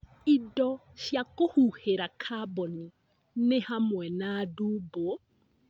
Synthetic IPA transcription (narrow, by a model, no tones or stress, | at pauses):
idɔ | ʃjakohuheɾakʰabɔni | nehamwɛnadubo